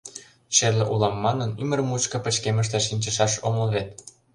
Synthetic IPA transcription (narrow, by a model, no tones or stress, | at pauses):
t͡ɕerleʔulɑmːɑnənymərmut͡ɕkɤ̆pə̆t͡ɕkeməʃ̬t̪eʃinʲt͡ɕə̆ʃɑʃoməlβet̪